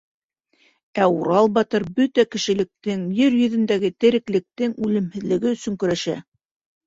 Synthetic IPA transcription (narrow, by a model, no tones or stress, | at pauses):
æuɾɑlˠbɑt̪ɤɾbɵt̪ækɘ̆ʃɘ̆lɘ̆k̚t̪ɘŋjɘɾjɵ̆ðɵ̆nd̪æɡɘt̪ɘ̆ɾɘ̆klɘ̆k̚t̪ɘŋʉlɘ̆mhɘ̆ðlɘ̆ɡɘɵ̆sɵ̆ŋkɵ̆ɾæʃæ̰